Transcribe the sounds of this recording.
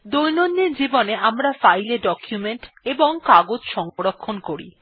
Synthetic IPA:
d̪ojnonːeɾd͡ʑiboneamɾafajleɖɔkjumeɳʈ | eboŋkaɡod͡ʑʃɔŋoɾokʰːonkoɾḭ

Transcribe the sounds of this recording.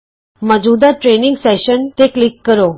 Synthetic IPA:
məd͡ʒud̪aʈɾeniŋɡsɛʃənt̪eklikːəɾo

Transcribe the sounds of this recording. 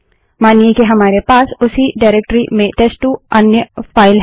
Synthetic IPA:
maːniekiɦɐmaːɾepaːsʊsiɖaːɪɾeːk̚ʈɾimẽʈeːsʈuɐnjəfaːɪl

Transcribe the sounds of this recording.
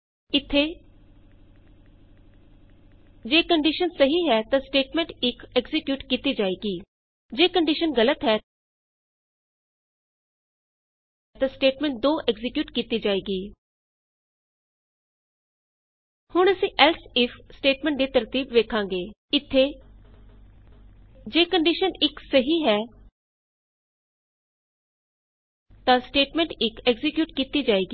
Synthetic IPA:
ɪt̪ʰːe | d͡ʒeːkəɳɖiʃənsəɦiːɦɛːt̪ãːsʈeːʈmɛ̃ːɳʈɪkɛkzɪkjuːʈkiːt̪iːd͡ʒaːeːɡiː | d͡ʒeːkəɳɖɪːʃənɡələt̪ɦɛː | t̪ãːsʈeːʈmɛ̃ːɳʈ̚d̪oːʔɛɡzɪkjuːʈkiːt̪iːd͡ʒaːeːɡiː | hʊɳ̃əsĩːʔɛːlsɪfʰsʈeːʈmɛ̃ːɳʈ̚d̪iːt̪əɾt̪iːbʋeːkʰãːŋɡeː | ɪt̪ʰːeː | d͡ʒeːkəɳɖiːʃənɪksəɦiːɦɛː | t̪ãːsʈeːʈmɛ̃ːɳʈɪkɛɡzɪkjuːʈkiːt̪iːd͡ʒaːeːɡiː

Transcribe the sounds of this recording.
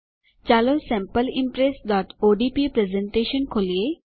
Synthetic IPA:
t͡ɕaːlosɛ̃mpəlɪ̃mpɾeːsɖɔːʈoːɖipipɾezẽɳʈeːʃənkʰoːlie

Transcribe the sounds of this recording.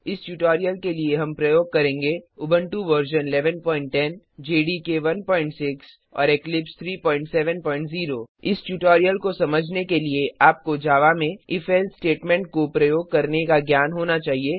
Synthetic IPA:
ɪsʈjuːʈɔːɾijəlkelieɦɐ̃mpɾɐjoːɡ̚kɐɾẽːŋɡeʊbə̃ɳʈuʋəɾʃənɪlɛːʋənpɔ̃ːɪ̃ɳʈʈːɛ̃n | d͡ʒeːɖikeʋɐnpɔːɪ̃ɳʈsɪks | ɔ̰ːɾeklɪpst̪ʰɾiːpɔːɪ̃ɳʈsɛːʋə̃npɔːɪ̃ɳʈziːɾoːɪsʈjuːʈɔːɾijəlkosɐməd͡ʒʱnekelieʔaːp̚kod͡ʒaːʋamẽɪfʰɛːlsʈeːʈmɛ̃ɳʈkopɾɐjoːɡ̚kɐɾnekaɡjaːnɦoːnat͡ʃaːɦieː

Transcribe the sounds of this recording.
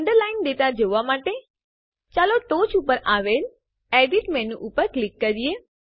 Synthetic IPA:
əɳɖəɾlaɪnd̪et̪ad͡ʒoʋamaʈe | t͡ʃaloʈoːt͡ʃupəɾaʋel | eɖiʈmɛ̃nũʔupəɾklikːəɾie

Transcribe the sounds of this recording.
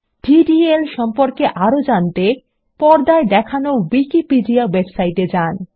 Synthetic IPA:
ɖʱiɖielʃɔmpoɾkeʔaɾod͡ʑant̪e | pɔɾd̪aed̪ɛkʰanowikipiɖiawebsajʈed͡ʑan

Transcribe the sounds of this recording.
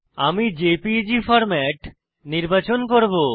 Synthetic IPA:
amid͡ʑepid͡ʑifɔɾmɛʈ | niɾbat͡ɕonkoɾbo

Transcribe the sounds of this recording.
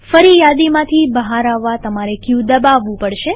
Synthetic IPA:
fəɾijad̪imãt̪ʰibəɦaɾaʋːat̪əmaɾekud̪əbaʋũpəɽʃe

